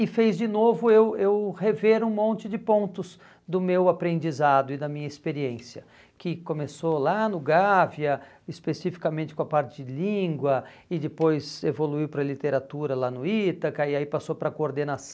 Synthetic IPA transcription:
ɪfejzd͡ʒɪnovʊewewheveɾũmõnt͡ʃɪd͡ʒɪpõnt̪ʊz | d̪ʊmewapɾẽnd͡ʒizad̪ʊɪd̪ɐmĩɲɐispeɾiẽsjɐ | kɪkomesolanʊɡavjɐ | ɪspesifi̥kamẽnt͡ʃɪkõɐpaɾt͡ʃɪd͡ʒɪlĩŋɡwɐ | ɪd̪ɪpojzevoluiwpɾɐlit̪eɾat̪uɾɐlanʊit̪ɐkaɪaipasopɾɐkooɾd̪enas

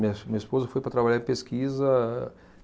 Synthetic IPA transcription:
ĩɲɐmĩɲɐispozɐfojpɾɐt̪ɾabaʎaɾɪ̃peskizɐ

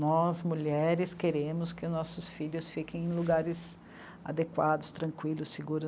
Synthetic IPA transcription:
nɔzmuʎɛɾɪskeɾẽmʊskɪnɔsʊsfiʎʊsfikẽj̃ẽluɡaɾɪs | a̰d̪ekwad̪ʊst̪ɾɐ̃ŋkwilʊsːiɡuɾʊ

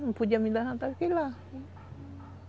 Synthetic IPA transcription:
pud͡ʒamidaɦant̪askila

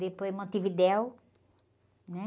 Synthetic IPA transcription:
d̪epojmɐ̃t̪ivid̪ɛw | nɛ

